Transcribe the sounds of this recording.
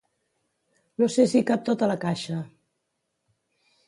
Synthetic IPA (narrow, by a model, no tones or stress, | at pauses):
nosesikap̚t̪ot̪ələkaʃə